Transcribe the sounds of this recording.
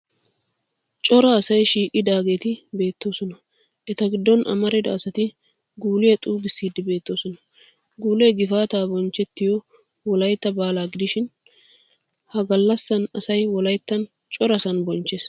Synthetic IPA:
t͡ʃʼɔɾɐːsɐjʃiːʔɪd̪aːɡe̞ːt̪ɪbe̞ːt̪ːo̞ːsɔnɐ | ʔɛt̪ɐɡɪd̪ːɔnʔɐ̰mɐɾɛd̪ɐ̰ːsɐt̪ɪ | ɡuːlɪjɐt̪ʼuːɡɪsːiːd̪ːɪbe̞ːt̪ːo̞ːsɔnɐ | ɡuːleɡɪfaːt̪aːbɔnt͡ʃːɛt̪ːɪjɔ | wɔlɐjt̪ːɐbaːlaːɡɪd̪ɪʃɪn | hɐɡɐlːɐsːɐnɐsɐjwɔlɐjt̪ːɐn | t͡ʃʼɔɾɐsɐnbɔnt͡ʃːes

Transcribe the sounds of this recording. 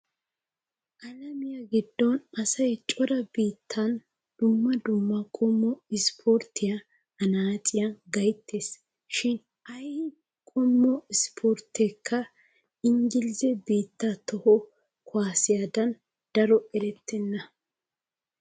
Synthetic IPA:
ʔɐlɐmɪjɐɡɪd̪ːɔnɐsɐjt͡ʃʼɔɾɐbiːt̪ʰːɐn | d̪̥ʊmːɐd̪ʊmːɐkʼɔmːɔɪspʰoːɾt̪ːɪjɐ | ɐnaːt͡sʼɪjɐɡɐjt̪ʰːeːs | ʃɪn | ʔɐjhɪ | kʼɔmːɔɪspʰoɾt̪ekʰːɐ | ɪŋɡɪlɪzɛbiːt̪ːɐt̪ɔhɔ | kʰʊaːsɪjɐd̪ɐn | d̪̥ɐɾɔɛɾɛt̪ʰːɛnːɐ

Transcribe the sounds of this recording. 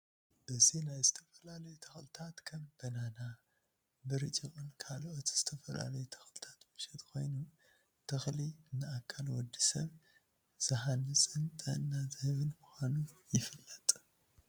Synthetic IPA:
b̥ɨze̞nazɨt̪ʰɐfɐlalɐjut̪ʰɐxlɨt̪ʰat̪kʰɐmb̥ɐnana | bɨɾɨt͡ʃʼikʼɨnkʰalʔot̪z̥ɨt̪ʰɐfɐla̰lɐjut̪ʰɐ̥xlɨt̪ʰḁt̪mɨʃɛt̪kʰo̞̰jnu | t̪ʰɐxliɨnːɨakʰːalwɔd̪ːisɐβ | z̥ɐɦanɨsʼɨnt̪ʼɐ̰ɨnːazhɨβɨnmuxʷanujɪfɨlːɐt̪ʼ

